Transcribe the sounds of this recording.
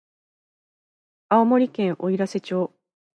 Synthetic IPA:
aomo̞ɾʲikẽ̞ɰ̃ʔo̞iɾase̞t͡ɕo̞ː

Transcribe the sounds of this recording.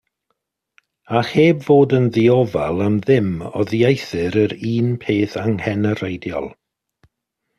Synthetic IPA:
aχeːbvoːdənðiɔva̰lˠamðɪmɔ̰ðiejθɨɾəɾiːnpʰeːθaŋhɛnəɾejdjɔ̰lˠ

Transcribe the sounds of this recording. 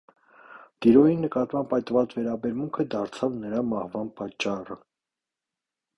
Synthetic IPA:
d̪̥iɾɔjinəkɑt̪mɑmpʰɑjt̪vɑt͡svɛɾɑbɛɾmuŋkʰəd̪ɑɾt͡sʰɑvnəɾɑmɑhvɑnpɑt͡ʃːɑrə

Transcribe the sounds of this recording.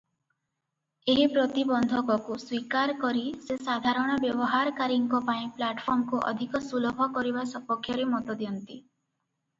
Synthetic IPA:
eɦipɾɔt̪ibɔnd̪ʱɔkɔkuswikaɾkɔɾisesad̪ʱaɾɔɽ̃ɔbjɔbɔɦaɾɔkaɾiŋkɔpaĩplaʈpʰɔɾmɔkuʔɔ̰d̪ʱikɔsulɔbʱɔkɔɾibasɔpɔkʰːjɔɾemɔt̪ɔd̪iɔnt̪i

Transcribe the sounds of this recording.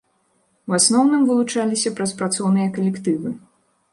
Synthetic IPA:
wasnɔwnɨmvɨlˠut͡ʂalʲisʲɐpɾɐspɾat̪sɔwnɨjɐkɐlʲɛkt̪ɨvɨ

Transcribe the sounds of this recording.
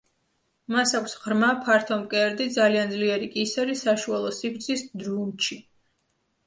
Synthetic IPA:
masakʷʰsʁɾmapʰaɾt̪ʰɔmkʼɛɾd̪id̪zaliand̪zliɛɾikʼisɛɾisaʃualˠɔsikʰɾt̪sʰisd̪ɾunt͡ʃʰi

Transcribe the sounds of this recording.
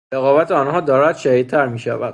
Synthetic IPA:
ɾeɣɒːvæt̪ʰeɒːnɦɒːd̪ɒːɾæd̪̥ʃæhid̪t̪ʰæɾmiːʃæ̰væ̰d̪̥

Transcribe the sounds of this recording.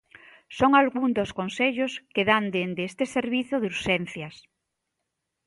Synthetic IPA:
soŋalɣuŋd̪oskonseʎoskeðand̪end̪est̪ɪseɾβiθʊðuɾʃɛnθjɐs

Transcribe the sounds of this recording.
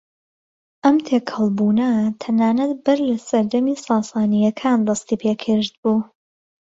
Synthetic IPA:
ʔɐmt̪ʰeːkʰhɐlˠbuːnɐt̪ʰɐnaːnɐt̪bɨɾlɐsɐɾd̪ɐmiːsɑːsɑːnijɐkʰaːnd̪ɑst̪iːpʰeːkʰɨɾd̪̚buː

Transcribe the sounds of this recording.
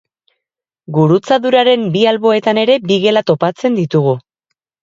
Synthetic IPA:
ɡuɾut͡saðuɾaɾe̞mbialβo̞e̞t̪ane̞ɾe̞biɣe̞lat̪o̞pat͡se̞nd̪it̪uɣ̞u

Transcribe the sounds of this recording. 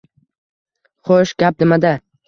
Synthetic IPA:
χoʃɡʲap̚nɪmad̪a

